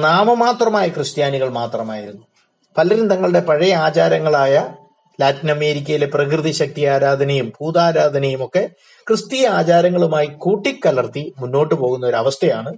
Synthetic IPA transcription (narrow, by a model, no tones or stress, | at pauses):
naːmɐmaːt̪rɐmaːjɐkrɨst̪jaːniɣɐɭmaːt̪rɐmaːjiɾunːu | pɐlɐɾind̪ʱɐŋːɐɭɨɽe̞pɐɻɐjɐaːt͡ɕaːɾɐŋːɐɭaːjɐ | laːt̪inɐme̞ːɾikʲːɐjile̞prɐkrɨðiɕɐk̚t̪ijaːɾaːd̪ʱɐnɐjumbuːd̪aːɾaːd̪ʱɐnɐjumo̞kːe̞ | krɨst̪ijɐaːt͡ɕaːɾɐŋːɐɭumaːjikuːʈːikːɐlɐrt̪imunːo̞ːʈːɨpo̞ːɣunːɐoɾɐʋɐst̪ʰɐjaːɳɨ